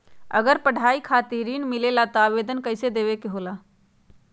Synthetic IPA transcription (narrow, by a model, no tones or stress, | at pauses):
ə̰ɡəɾpəɽ̤ʱaikʰat̪iɾinmilelat̪ɔabed̪ənkəɪsed̪eβekeɦola